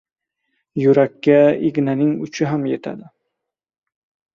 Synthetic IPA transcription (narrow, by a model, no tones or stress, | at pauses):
jʊɾakʲːaiɡʲnanɪŋʊt͡ʃʰɪɦamjet̪ʰa̰d̪ɪ